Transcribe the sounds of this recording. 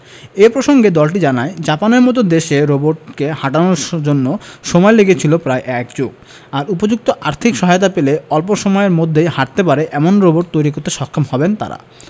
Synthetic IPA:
epɾoʃoŋɡed̪ɔlʈid͡ʑanaed͡ʑapaneɾmɔt̪̬od̪eʃeɾoboʈkehaʈanoɾd͡ʑonːoʃɔmɔeleɡet͡ɕʰilopɾaeʔɛkd͡ʑoɡ̚ | aɾupod͡ʑuk̚t̪oʔaɾt̪ʰikʃɔɦajot̪apeleɔlpoʃomɔeeɾmod̪ʱːejhaʈ̚t̪epaɾeʔɛmonɾoboʈ̚t̪ojɾikoɾt̪ːeʃɔkʰːomhɔbent̪a̰ɾa̰

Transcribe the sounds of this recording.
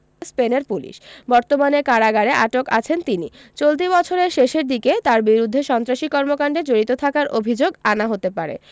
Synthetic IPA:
speneɾpulḭʃbɔɾt̪omanekaɾaɡaɾeʔaʈokat͡ɕʰent̪inḭt͡ɕolt̪̬ibɔt͡ɕʰoɾeɾʃeʃeɾd̪iket̪aɾbiɾud̪ʱːeʃɔnt̪ɾaʃikɔɾmokaɳɖed͡ʑoɾit̪ot̪ʰakaɾʔobʱid͡ʑoɡanaɦot̪epaɾḛ

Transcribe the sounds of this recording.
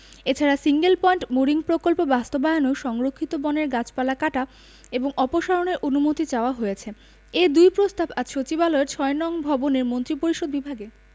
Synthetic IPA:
et͡ɕʰaɾasiŋɡelpɔiɳʈmoɾiŋpɾokolpobast̪obajonoʃɔŋɾokʰːit̪obɔneɾɡat͡ɕpalakaʈa | eboŋɔpoʃaɾoneɾʔonumot̪it͡ɕaoaɦojet͡ɕʰe | ed̪ujpɾost̪abad͡ʑʃot͡ɕibaloeɾt͡ɕʰɔenɔŋbʱɔboneɾmont̪ɾipoɾiʃod̪̚bibʱaɡe

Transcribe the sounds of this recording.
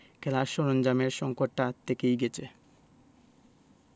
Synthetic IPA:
kʰɛlaɾʃoɾond͡ʑameɾʃɔŋkoʈːat̪ʰekejɡɛt͡ɕʰe

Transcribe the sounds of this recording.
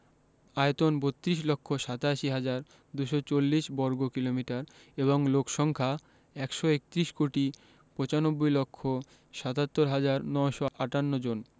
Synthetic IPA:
aet̪onbot̪ːɾiʃlokʰːoʃat̪aʃiɦad͡ʑaɾ | d̪uʃɔt͡ɕolːiʃbɔɾɡokilomiʈaɾ | eβoŋlokʃɔŋkʰa | ɛkʃɔek̚t̪ɾiʃkoʈi | pɔt͡ɕanobːojlokʰːo | ʃat̪at̪ːoɾɦad͡ʑaɾnɔʃɔʔaʈanːod͡ʑon

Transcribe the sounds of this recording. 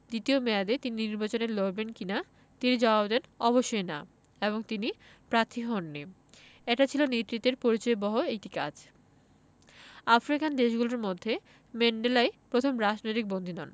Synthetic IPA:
d̪it̪iomɛad̪et̪ininiɾbat͡ɕoneloɾbenkina | t̪inid͡ʑɔbabd̪ɛnɔboʃːojna̰ | eboŋt̪ini | pɾaɾt̪ʰːiɦɔnːi | eʈat͡ɕʰilonet̪ːɾit̪ːeɾpoɾit͡ɕɔebɔɦoekʈika̰d͡ʑ | afɾikand̪eʃɡuloɾmod̪ʱːe | meɳɖelaepɾot̪ʰomɾad͡ʑnojt̪ik̚bond̪ʱinɔn

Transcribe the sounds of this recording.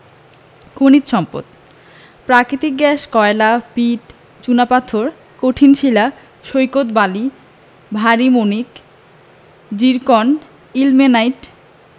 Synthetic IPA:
kʰonit̪ʃɔmpo̰t̪̚ | pɾakɾit̪ik̚ɡɛʃkɔelapiʈ | t͡ɕunapat̪ʰːoɾ | koʈʰinʃila | ʃojkot̪bali | bʱaɾimonik | d͡ʑiɾkon | ilmenajʈ

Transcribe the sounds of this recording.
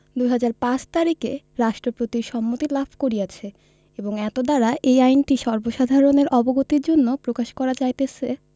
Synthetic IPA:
d̪ujɦad͡ʑaɾpat͡ɕt̪aɾike | ɾaʃʈɾopɾot̪iɾʃɔmːot̪ilabʱkoɾijat͡ɕʰe | eboŋɛt̪od̪aɾaʔejajnʈiʃɔɾboʃad̪ʱaɾoneɾʔɔboɡot̪iɾd͡ʑonːopɾokaʃkɔɾad͡ʑajt̪et͡ɕʰe

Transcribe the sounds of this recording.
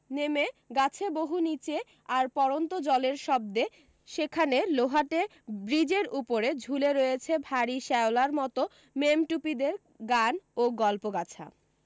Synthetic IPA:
nemeɡat͡ɕʰeboɦunit͡ɕe | aɾpɔɾont̪od͡ʑɔleɾʃɔb̚d̪e | ʃekʰaneloɦaʈe | bɾid͡ʑeɾupoɾed͡ʑʱuleɾojet͡ɕʰebʱaɾiʃɛolaɾmɔt̪o | memʈupid̪eɾ | ɡanoɡɔlpoɡat͡ɕʰa̰

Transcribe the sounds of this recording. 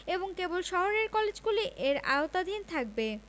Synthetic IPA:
eboŋkebolʃɔɦoɾeɾkɔled͡ʑɡuleʔʔeɾa̰ot̪ad̪ʱint̪ʰak̚be

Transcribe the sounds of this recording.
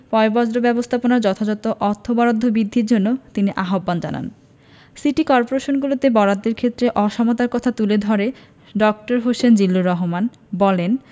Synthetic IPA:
pɔebɔd͡ʑɾobɛbost̪ʰaponaɾd͡ʑɔt̪ʰad͡ʑɔt̪oʔɔɾt̪ʰːobɔɾod̪ʱːobid̪ʱːiɾd͡ʑonːot̪iniʔaɦobːand͡ʑa̰na̰n | siʈikɔɾpoɾeʃonɡulot̪ebɔɾad̪ːeɾkʰet̪ːɾeʔɔʃɔmot̪aɾkɔt̪ʰat̪uled̪ʱɔɾe | ɖɔk̚ʈoɾɦoʃend͡ʑilːuɾɔɦoman | bɔlen

